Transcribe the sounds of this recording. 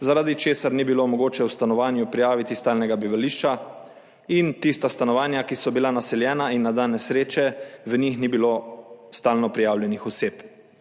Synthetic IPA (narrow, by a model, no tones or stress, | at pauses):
zaɾad̪it͡ʃeːsaɾnibilomɔɡoːt͡ʃɛwst̪anɔʋaːnjupɾijaːʋit̪ist̪aːlnɛɡabiʋaliʃt͡ʃa | int̪ist̪ast̪anɔʋaːnjakisɔbilanasɛljɛːnainːad̪aːnɛsɾeːt͡ʃɛʋənixnibiloːst̪aːlnɔpɾijaːwljɛnixɔseːp